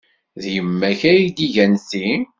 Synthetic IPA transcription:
ðjəmːæçæjid̪iʝænsin

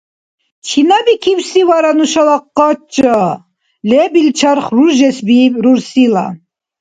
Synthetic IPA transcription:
t͡ʃʰinabikʰiwsivaɾanuʃalaqːɑt͡ʃʼːa | lɛbilt͡ʃʰɑɾχruɾʒɛsbibɾuɾsila̰

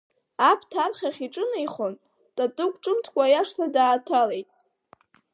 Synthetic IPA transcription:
apʰtʰapʰχʲaχʲiʈ͡ʂʼɨnajχon | tʼatʼɨkʷʼʈ͡ʂʼɨmtʰkʷʼajaʂtʰadaːtʰalejtʼ

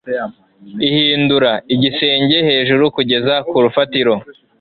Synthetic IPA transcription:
ihiːnduɾaiɟise̞ːɲɟe̞he̞ːʒuɾukuɟe̞zakuɾufatiɾo̞

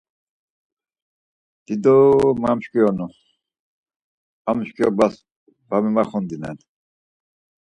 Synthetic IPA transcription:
d̪̥id̪ɔmamʃkʼijɔnu | amʃkʼjɔbas | bamimaχɔnd̪inɛ̰n

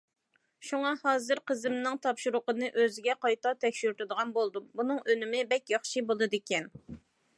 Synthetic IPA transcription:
ʃuŋɑhɑːzɨɾqəzɨmnɨŋt̪ʰɑpʃuɾʊqənɨʔøzɪɡʲɛqɑjt̪ɑt̪ʰɛkʲʃyɾt̪ɨd̪əʁɑnbolˠd̪ubunɨŋʔønɪmɪbɛkʲjɑχʃibolˠɨd̪ɪkʲʰɛn

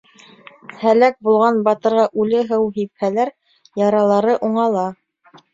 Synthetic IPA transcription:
hælæk̚bulˠʁɑnbɑt̪ɤ̆ɾʁɑʔʉlɘɦɤwɦiphælæɾ | jɑɾɑlˠɑɾɤʔuɴɑlˠɑ

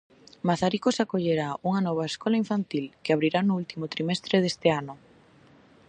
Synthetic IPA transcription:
maθaɾikosakoʎeɾauŋɐnɔβ̞ɐeskɔlaiɱfant̪ilkɪaβɾiɾanʊult̪imot̪ɾimɛst̪ɾeð̞est̪ɪanʊ

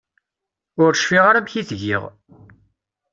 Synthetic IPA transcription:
ʊɾʃfiʁaɾamçiθʝḭʁ

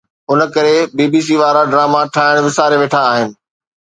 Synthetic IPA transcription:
ʊnə̆kɐɾebiːbiːs̬iːʋaːɾaɖɾaːmaʈʰaːɦɪɽ̃ʋɪsaːɾeʋeːʈʰaːɦɪnɪ̆

